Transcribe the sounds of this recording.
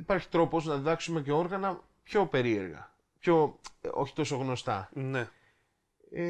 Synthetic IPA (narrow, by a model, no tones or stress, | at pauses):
ipɐɾçi̥t̪ɾo̞po̞znɐðiðɐksume̞ce̞o̞ɾɣɐnɐ | pço̞pe̞ɾie̞̰ɾɣɐ̰ | pço̞o̰çi̥t̪o̞so̞ɣno̞st̪ɐ̰ne